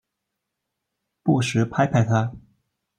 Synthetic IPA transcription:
pu˥˩ʂɻ̩˧˥pʰa˥ɪpʰa˥˩ɪt̪ʰa˥

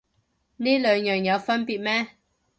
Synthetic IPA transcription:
niː˥lœː˨˧ŋjœː˨ŋjɐ˨˧wfɐ˥npiː˨t̚mɛː˥

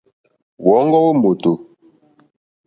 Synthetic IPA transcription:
wɔ˨˦ŋ˦ɡɔ˦wo˦mo˨to˨

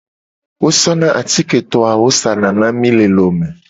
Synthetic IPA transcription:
wo˦sɔ˦nã˦ʔa˨t̪i˦ke˨t̪ɔ˨a˨wo˦sa˨nã˨nã˦mĩ˦le˨lo˨mẽ˨

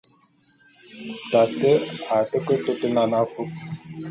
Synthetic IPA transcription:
ta˨tə˦a˨tə˦kə˦tə˦tə˦na˨na˦fu˦k

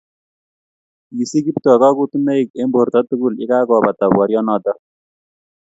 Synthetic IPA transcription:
ji˨si˦ɡi˦ptɔ˨ka˦ku˦tu˦ne˦i˨k̚e˦mbo˨ɾtɔ˦tu˦ɡu˦˨lḭ˦ka˦kɔ˨ba˨ta˨bwɔ˨ɾjɔ˦nɔ˨tɔ˦

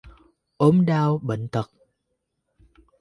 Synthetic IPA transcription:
ʔo˨˦mɗaː˧wɓḛ˧˨ŋ̟t̪ə˨˩k̚

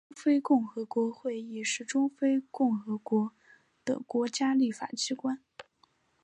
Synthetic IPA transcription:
ʊ˥ŋfe˥ɪkʊ˥˩ŋxɤ˧˥kwɔ˧˥xwe˥˩ɪji˨˩ʂɻ̩˥˩ʈ͡ʂʊ˥ŋfe˥ɪkʊ˥˩ŋxɤ˧˥kwɔ˧˥ | d̪̥ə̰˨kwɔ˧˥t͡ɕja˥li˥˩fa̰˨˩t͡ɕi˥kwa˥n

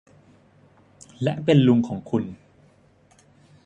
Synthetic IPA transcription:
lɛ˦˥ʔpe˧nlu˧ŋkʰɔː˩˦ŋkʰu˧n

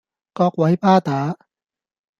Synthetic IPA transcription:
kɔː˧k̚wɐ˨˥jpaː˥˩t̪aː˨˥

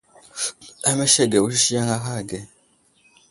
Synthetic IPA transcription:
a˦mɛ˦ʃɛ˦˨ɡɛ˨wo˦ʃi˦ʃi˦ja˦ŋa˦ɦa˦˨ɡɛ˨

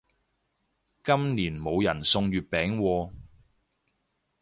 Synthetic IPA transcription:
kɐ˥mniː˨˩nmo˨˧wjɐ˨˩nsʊ˧ŋɥyː˨t̚pɛː˨˥ŋwɔː˧

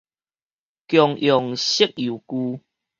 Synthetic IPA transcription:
kjɔ˨˩ŋʔjɔ˨ŋɕi˦k̚ju˨˩ku˦

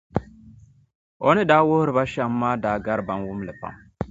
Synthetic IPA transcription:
ɔ˦nɪ˦daː˦wʊ˦hɾɨ˨ba˦ʃa˨mː˦aː˦daː˨˦ɡa˦ɾba˨nwʊ˦mlɨ˨pa̰˨m

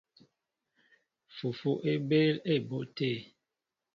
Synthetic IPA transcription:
fu˨fu˦ʔe˦be˦le˦˨bo˦˨ʔte˦˨

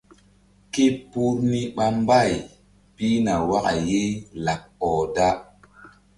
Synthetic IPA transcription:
ki˦pu˦ɾni˦ɓa˦mba˦˨j | pi˦na˨wa˦ka̰˨je˦la˨k̚ɔ˨da˦

